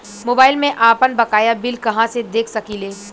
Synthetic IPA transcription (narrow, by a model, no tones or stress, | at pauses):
moːbaːɪlmẽʔaːpənbɐkaːjabɪlkɐɦãsed̪eːkʰsɐkiːleː